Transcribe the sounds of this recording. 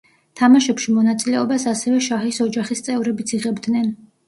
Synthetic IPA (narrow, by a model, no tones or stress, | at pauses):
t̪ʰamaʃɛpʃimɔnat̪sʼilɛɔbasasɛvɛʃaχisɔd͡ʒaχist̪sʼɛvɾɛbit̪sʰiʁɛbd̪nɛn